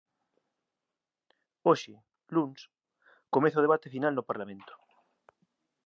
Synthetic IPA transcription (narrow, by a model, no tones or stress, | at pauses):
oʃe | luns | komẽθaoðeβat̪efinalnopaɾlamẽnt̪o̥